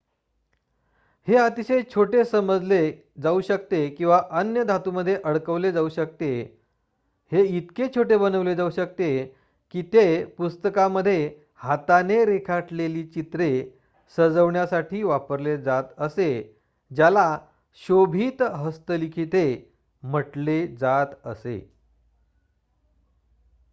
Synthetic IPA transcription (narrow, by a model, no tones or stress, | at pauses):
heət̪iɕəjt͡ɕʰoʈesəməd͡zle | d͡zauɕək̚t̪ekĩw̃ʋaʔənjəd̪ʱat̪uməd̪ʱːjeʔəɽkəʋled͡zauɕək̚t̪e | heit̪ket͡ɕʰoʈebənəʋled͡zauɕək̚t̪e | kiːt̪epust̪əkaməd̪ʱːje | hat̪aneɾekʰaʈleliːt͡ɕit̪ɾe | səd͡zəʋɳjasaʈʰiːʋapəɾled͡zat̪əse | d͡ʑjala | ɕobʱiːt̪ɦəst̪əlikʰiːt̪e | m̤əʈled͡zat̪əsḛ